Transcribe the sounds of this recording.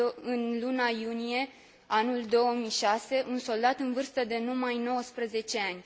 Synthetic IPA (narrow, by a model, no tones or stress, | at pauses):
ɨnlunajunije̞ | anuld̪o̞əmiʃase̞ʔunso̞ld̪at̪ɨnvɨrst̪əd̪e̞numajno̞wəspɾəze̞t͡ʃe̞anʲ